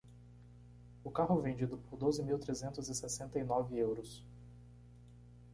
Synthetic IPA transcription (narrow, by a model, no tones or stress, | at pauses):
ʊkaɦʊvẽnd͡ʒid̪ʊpʊɾd̪ozɪmiwt̪ɾezẽnt̪ʊzɪsesẽnt̪ɐinɔvɪewɾʊs